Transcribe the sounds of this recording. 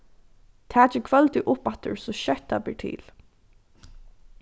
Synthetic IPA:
t̪ʰæːt͡ʃɪkʰvœlt̪ɪʔʊpat̪ə̰ɹsɔɕœt̪ablɪɹʈʰɪ̰ːl

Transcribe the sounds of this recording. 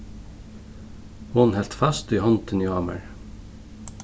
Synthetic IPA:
hʊnhɛlt̪fɑst̪iːhɔnt̪ʰənjɑːmə̰ɹ

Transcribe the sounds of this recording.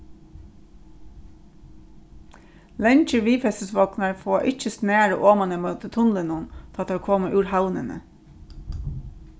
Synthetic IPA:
lɛnt͡ʃəʋiːfɛsəsʋɔknɑɹfoːʔɪc͡çəsneːɹə̰ʔoːmɑnəmɑʉt̪ət̪ʰʊnlənʊnt̪ʰːɑt̪hɑːkʰɔməʔʉːɾhɑʊnə̰nə̰

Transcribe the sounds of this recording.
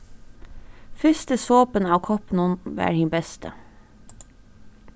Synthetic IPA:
fʏst̪əsoːpənɑːʋkʰɔpn̩ʊnʋæ̰ːɾhiːnbɛst̪ʰə̰

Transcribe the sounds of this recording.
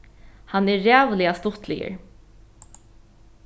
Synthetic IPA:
hanɛːɛːvlɪast̪ʊt̪ʰlɪ̰jə̰ɹ

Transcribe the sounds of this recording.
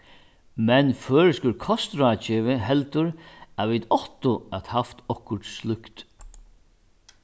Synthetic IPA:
mɛnføːɾɪskʊlkʰɔst̪ɾaːt͡ʃɪːʋɪɦɛlt̪ʊɾæʋid̪ɔht̪ʊat̪haft̪ɔhkʊɹʈslʏkt̪

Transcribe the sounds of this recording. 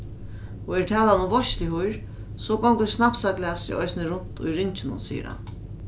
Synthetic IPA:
ɔɛɾt̪ʰɛːlanʊvɔʃlɪhujɾ | sɔkɔŋkəɾsnap̪saklɪasɪ̰ʔɔjsnɪɾʊn̥t̪ʊ̰jɾɪɲt͡ʃɪnʊ̰nsḭːjə̰ɾha̰n

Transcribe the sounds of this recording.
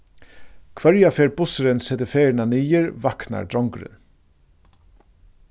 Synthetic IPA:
kʰvœɾjafɛːɹbʊsɪɾɪnsɛːt̪əfeːɹɪnaniːjɪɹvahkna̰ɹd̪ɾɔŋkɾɪ̰n

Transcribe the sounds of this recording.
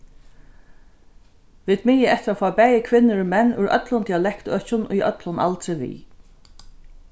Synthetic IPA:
ʋɪd̪mɪjəʔɛht̪ɾafaːbɛːjɪkʰʋɪnːɪɹʊmɛnːʊjʔœ̰t̪lʊnd̪ialɛkt̪œːht͡ʃʊnʊ̰jœ̰t̪lʊnʔa̰lt̪ɾɪvḭː

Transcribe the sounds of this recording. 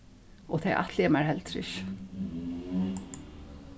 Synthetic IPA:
ɔt̪ʰejʔa̰ht̪ʰlɛmaɹhɛlt̪ʰɾɪ̰ʃ

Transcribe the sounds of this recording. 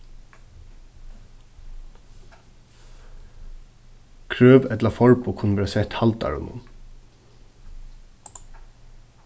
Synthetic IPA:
kʰɾøːʋɛt̪lafɔɹpʊkʰʊnəʋɛːɾsɛt̪halt̪ɑ̰ɹʊ̰nʊ̰n

